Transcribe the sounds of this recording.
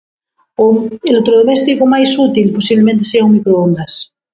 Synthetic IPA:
oelot̪ɾoð̞omest̪ikomajsut̪ilposiβlemẽnt̪̬eseauŋmikɾoond̪as

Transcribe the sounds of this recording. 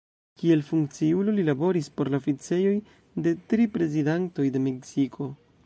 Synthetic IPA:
kie̞lfuŋkt͡siulo̞lilabo̞ɾispo̞ɾlaofit͡se̞jo̞j | de̞tɾipɾe̞zidanto̞jde̞me̞ksikʰo̞

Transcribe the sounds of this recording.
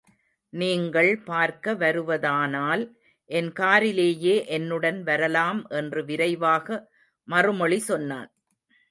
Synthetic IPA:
niːŋɡɐɭpaːɾkɐʋɐɾɯʋɐðaːnaːl | ʔɛnkaːɾɪleːjeːʔɛnːɯɽɐnʋɐɾɐlaːmʔɛndrɯʋɪɾɐɪʋaːɣɐ | mɐrɯmɔɭisɔnːa̰ːn

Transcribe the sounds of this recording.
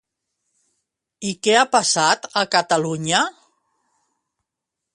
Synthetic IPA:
ikɛapasat̪əkət̪əluɲə

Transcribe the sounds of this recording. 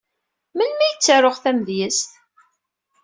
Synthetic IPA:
mənmæjət͡sːəɾˤoʁθæmðjəst̪

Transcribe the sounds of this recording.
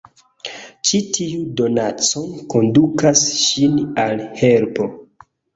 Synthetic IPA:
t͡ʃitʰiudo̞nat͡so̞nko̞ndukasʃinalhe̞lpo̞

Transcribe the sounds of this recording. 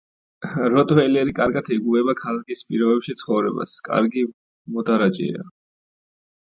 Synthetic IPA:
ɾɔt̪ʼvɛlɛɾikʼaɾɡat̪ʰɛɡuɛbakʰalakʰispʼiɾɔbɛpʃit̪sʰχɔvɾɛba̰skʼa̰ɾɡi | mɔd̪aɾat͡ʃʼɛ̰a̰

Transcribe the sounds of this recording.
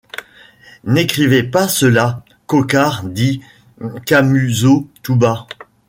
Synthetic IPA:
nekχivepasəla | kɔkaʁd̪i | kamyzot̪uba

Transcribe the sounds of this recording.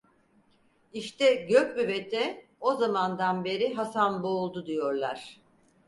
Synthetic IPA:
iʃt̪ɛɟøk̚byvet̪ʰɛozamand̪anbe̞ɾiɦasanboːlˠd̪ud̪ijo̞ɾlˠa̰ɾ̝̥

